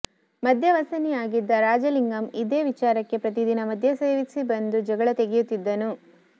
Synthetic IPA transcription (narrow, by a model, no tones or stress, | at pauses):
mɐd̪ʱjɐʋɐsɐnijaːɡid̪ːɐɾaːd͡ʒɐliŋɡɐmid̪eːʋit͡ʃaːɾɐkːe̞pɾɐt̪̬id̪inɐmɐd̪ʱjɐseːʋisibɐnd̪ud͡ʒɐɡɐɭɐt̪eɡejut̪ːid̪ːɐnu